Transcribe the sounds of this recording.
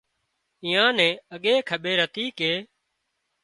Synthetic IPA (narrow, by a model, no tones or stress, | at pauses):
ĩːãːnɛ̃ːəɠeːkʰəɓeːɾət̪iːkeː